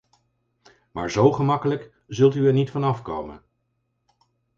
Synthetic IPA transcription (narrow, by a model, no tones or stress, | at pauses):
ma̰ːɹzowχəmɑkələk | zɵlˠtyɛɹnitfɑnɑfkowmə̰n